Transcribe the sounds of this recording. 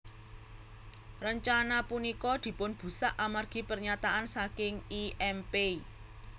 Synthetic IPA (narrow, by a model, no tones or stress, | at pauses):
rəɲt͡ʃanapunikɔd̪̥i̤pʊnb̥ṳsaʔamarɡ̥i̤pərɲat̪aʔansakɪŋiʔɛmpei